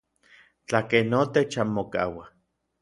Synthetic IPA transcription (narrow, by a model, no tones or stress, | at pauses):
t͡ɬakenːot̪et͡ʃamːoka̰wa